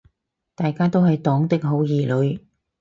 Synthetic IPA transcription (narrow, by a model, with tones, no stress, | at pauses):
t̪aː˨jkaː˥t̪o˥whɐ˨jt̪ɔː˨˥ŋt̪ɪ˥k̚ɦo˨˥wjiː˨˩lɵ˨˧ɥ